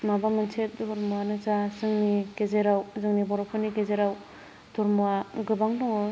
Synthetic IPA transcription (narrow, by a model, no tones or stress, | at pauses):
mabamɯnsʰet̚dɔɾmuanɯzasɯŋniɡezeɾawzɯŋnibɔɾapʰɯniɡezeɾaw | d̥ɔɾmuaɡɯbaŋdɔŋɔ